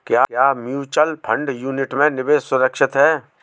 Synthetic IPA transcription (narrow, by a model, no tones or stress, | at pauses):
kjaːjaːmjuːt͡ʃəlpʰə̃ɳɖjuːnɪʈmẽnɪbeːsʊɾəkʃɪt̪ɦɛː